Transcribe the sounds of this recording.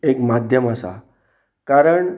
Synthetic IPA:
ekmad̪ʱjəməsa̰ | kaɾəɳ

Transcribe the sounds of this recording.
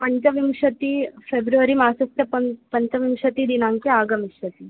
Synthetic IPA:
pəɲt͡ɕɐʋimʂɐt̪iːfebɾuʋəɾimaːsɐst̪jɐpɐpɐɲt͡ɕɐʋimʂɐt̪id̪inaŋkiaːɡɐmiɕɐt̪i

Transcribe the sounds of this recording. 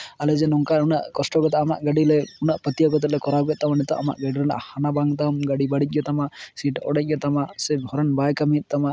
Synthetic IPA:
alɛd͡ʒɛnɔŋkaɾunaʔkɔsʈɔkɔt̪aama̰ʔɡaɖilɛunaʔpət̪ijaɡɔt̪ɛt̪̚lɛkɔɾabɡɛʔ̪̚t̪amanit̪ɔ̰ʔama̰ʔɡaɽiɾɛna̰ʔhanabaŋt̪amɡaɽibaɽic̪̚ˀɡɔt̪amaʔsiʈɔɽɛc̚ˀɡɛt̪amasɛbʱɔɾɔnbajkamit̪̚ˀt̪amaʔ

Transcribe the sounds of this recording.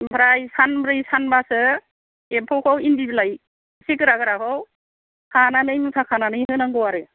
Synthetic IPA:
bɾajsanbɾɯjsanbasɯ | empʰɔwkʰɔwinbiblaj | sikɯɾaɡɯɾaɦɯw | kʰananɯjmɯtʰakʰananɯjhɯnaŋɡɯwaɾɯ

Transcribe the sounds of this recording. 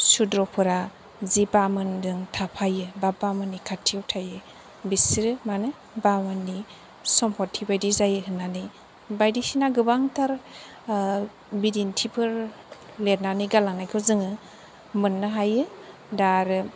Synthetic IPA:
sudɾɔpʰɯɾa | zibamɯndɯŋtʰapʰajɯbabamɯnːikʰatʰiwtʰajɯ | bisiɾɯmanɯ | bamɯnːi | sɔmpʰɔtʰːibajdizajɯhɯnːani | bajdisinaɡɯbaŋtʰaɾ | bidintʰipʰɯɾ | let̚naniɡalaŋnajkʰɯzɯŋɯ | mɯnːɯɦajɯ | daɾɯ

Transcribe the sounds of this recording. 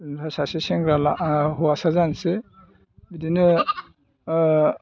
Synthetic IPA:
npʰasaseseŋɡɾalaɦuasazanse | bidinɯ

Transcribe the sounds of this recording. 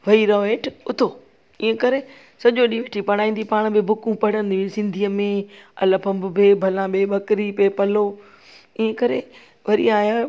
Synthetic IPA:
ʋɐiɾaːeːʈʊt̪ʰoː | iɦə̃kɐɾe | sɐʄoɗiʋeʈʰipɐɽ̃aːĩːn̆d̪ipaːɽ̃bɪbʱʊkũpɐɽə̃nd̪ĩsɪ̃nd̪ʱiːəmẽɐ̰ləpʰɐ̃mbʊbeːbʱɐlãbeːɓɐkɾipeːpɐlo | iɦə̃kɐɾḛ | ʋɐɾḭaːɦa

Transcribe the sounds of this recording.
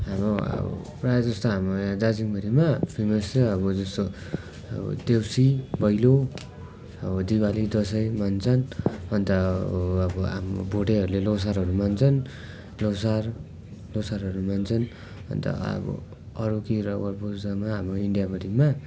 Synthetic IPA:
ɦamɾoʌ̰bʌ̰prajd͡zʌst̪oɦamod̪ad͡ziŋbʌɾimapʰimʌsʌbʌd͡zʌst̪o | ʌ̰bʌ̰d̪ewsibʌjlo | ʌbʌd̪iwalid̪ʌs̬ʌjmʌnt͡sʰʌnɦʌnt̪ʌː | bʌam̰bʱoʈeɦʌɾulelos̬aɾɦʌɾumant͡sʰʌn | losar | losaɾɦʌɾumant͡sʰʌn | ʌ̰nt̪ʌ̰ʌ̰bʌ̰ | ʌɾukiɾʌwʌrbozd̪amaɦamɾoiɳɖijabʌɾima

